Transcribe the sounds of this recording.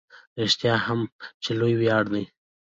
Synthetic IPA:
ɾɪʃt̪jɑhamt͡ʃelojwjɑɽnəj

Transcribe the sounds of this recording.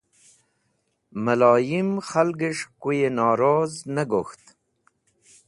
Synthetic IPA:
malɑːjimxalɡeʂkujenɑːɾoːznaɡoxt̪

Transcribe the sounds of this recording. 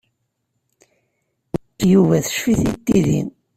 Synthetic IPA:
juvæθə̥ʃfiθit̪ːiðḭn

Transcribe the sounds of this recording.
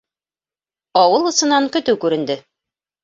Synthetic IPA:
ɑwɤlˠɤ̆sɤ̆nɑŋkɵ̆t̪ɘwkʉɾɘ̆nd̪ɘ

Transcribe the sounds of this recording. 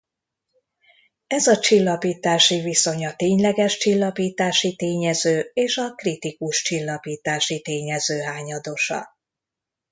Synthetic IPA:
ɛzɒt͡ʃilːɒpiːt̪aːʃiviso̞ɲɒt̪eːɲlɛɡɛʃt͡ʃilːɒpiːt̪aːʃit̪eːɲɛzøːeːʃɒkrit̪ikuʃt͡ʃilːɒpiːt̪aːʃit̪eːɲɛzøːɦaːɲɒd̪oʃɒ̰

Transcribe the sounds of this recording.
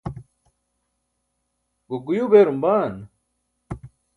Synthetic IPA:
ɡuɡujubeːɾumbaːn

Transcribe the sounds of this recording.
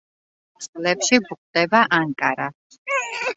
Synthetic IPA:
slɛpʃibuqʼd̪ɛbaʔaŋkʼaɾa

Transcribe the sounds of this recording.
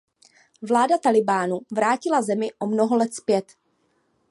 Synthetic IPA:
vlaːdat̪alɪbaːnuvɾaːcɪlazɛmɪʔomno̞ɦolɛt̪spjɛt̪

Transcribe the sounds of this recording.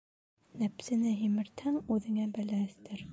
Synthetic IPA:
næpsɘ̆nɘɦimɘ̆ɾt̪hæŋʉðɘ̆ŋæbæ̆læɘ̆θt̪ɘɾ

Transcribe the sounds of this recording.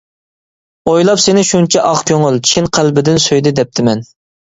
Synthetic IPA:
ojlˠɑpsenɪʃunt͡ʃʰɛʔɑχkʲøŋylˠt͡ʃʰʃinqʰælbɪd̪ɪnsøjd̪ɪd̪ɛp̚t̪ʰɪmɛn

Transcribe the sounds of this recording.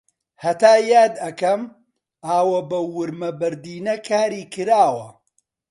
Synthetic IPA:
hɐt̪aːjaːd̪ɐkɐm | aːwɐbɐwʊɾmɐbɐɾd̪iːnɐkʰaːɾiːkɨɾaːwɐ

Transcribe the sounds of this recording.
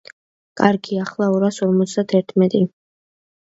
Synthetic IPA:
kʼaɾɡiaχlˠaɔɾasɔɾmɔt̪sd̪at̪ʰɛɾt̪ʰmɛt̪ʼi

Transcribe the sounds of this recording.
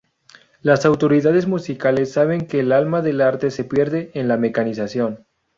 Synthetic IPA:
lasawt̪o̞ɾiðað̞e̞zmusikale̞sːaβ̞e̞ŋke̞ːlalmaðe̞laɾt̪e̞se̞pje̞ɾðeːnlame̞kanisasjo̞n

